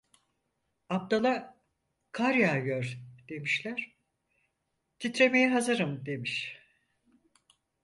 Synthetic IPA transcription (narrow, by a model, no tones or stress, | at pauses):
ap̚t̪alˠa | kʰaɾjaːjøɾd̪̥e̞miʃlʲæɾ̥ | t̪ʰit̪ɾe̞me̞jɛɦazɯɾɯmd̪e̞miʃ